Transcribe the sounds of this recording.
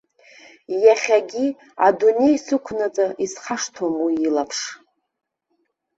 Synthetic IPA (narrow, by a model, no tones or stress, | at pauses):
jaχʲaɡʲi | adune̞jsɨkʷʰnad͡zʼaʔisχaʂtʰomwiːlapʰʂ